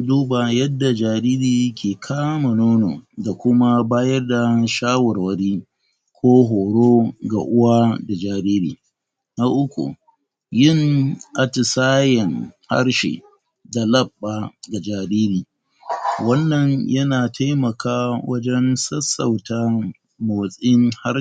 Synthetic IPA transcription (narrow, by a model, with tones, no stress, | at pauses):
duː˦ba˨jɐ˦dːa˨d͡ʒaː˨ɾiː˦ɾiː˨kʲʰeː˨kʰaː˦ma˨noː˦no̰˨da˨kʷʊ˦ma˦baː˦jɐ˦rda˨ʃaː˦wɐ˨rwɐ˦ɽiː˦ | kʷʰoː˦ɦoː˨ɽoː˦ɡa̰˨ʔʊ˦wa˦da˨d͡ʒaː˨ɾiː˦ɾḭː˨ | na˦ʔʊ˦kʷṵ˨ | jɪ˦˨nʔa˨tɪ˨saː˦jɛ˨nha̰˦rʃḛː˨ | da˨lɐ˦˨bːa˨ɡa˨d͡ʒaː˨ɾiː˦ɾiː˨ | wɐ˦nːɐ˨ɲjɐ˦naː˨tʰa˦jmɐ˨kaː˦wɐ˦d͡ʒɛ˦nsɐ˦sa̰˨wtaː˦ | ma˨sʼɪ˦ŋha˦